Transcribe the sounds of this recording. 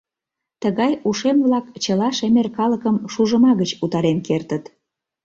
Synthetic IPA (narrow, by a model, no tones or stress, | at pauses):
t̪əɣɑjuʃemβlɑkt͡ɕəlɑʃemerkɑləkəmʃuʒəmɑɣət͡ɕut̪ɑɾenkert̪ət̪